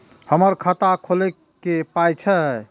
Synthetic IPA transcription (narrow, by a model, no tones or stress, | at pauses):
həməɾkʰət̪akʰolɛ | kepajt͡ʃʰə